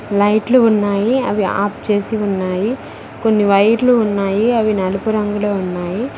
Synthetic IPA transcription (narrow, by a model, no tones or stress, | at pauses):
lɐjʈluːnːaːjiɐ̰ʋia̰ːp̚t͡ʃe̞ːsiunːaːji | ko̞nːiʋɐjɾluːnːaːjiɐʋinɐlupuɾɐŋɡuloːunːaːji